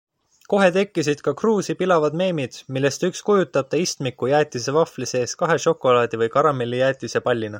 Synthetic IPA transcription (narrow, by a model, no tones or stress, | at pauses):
ko̞ɦe̞t̪e̞kːisid̪̥kɑkruːsipilɑvɑd̪me̞ːmid̪̥milːe̞st̪ykskujut̪ːˑɑb̥̚t̪ɑist̪mikːˑujæːt̪ʲːˑise̞vɑflise̞ːskɑɦe̞ʃo̞kːˑo̞lɑːd̪̥ivɯjkɑɾɑmelːijæːt̪ːˑisepɑlʲːinɑ